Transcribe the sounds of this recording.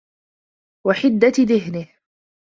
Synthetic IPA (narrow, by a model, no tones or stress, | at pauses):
waħɪd̪ːaðɪɦnɪh